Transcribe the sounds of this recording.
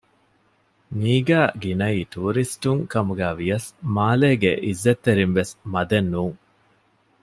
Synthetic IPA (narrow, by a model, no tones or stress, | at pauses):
miːɡæːɡinɐiːt̪uːɾisʈuŋkɐmuɡæːʋijɐsmaːleːɡḛʔizːet̪ːeɾinʋesmɐd̪enːuːŋ